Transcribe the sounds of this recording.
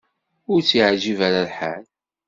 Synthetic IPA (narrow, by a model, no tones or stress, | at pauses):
ʊɾt͡sːiʕʒivæɾalħal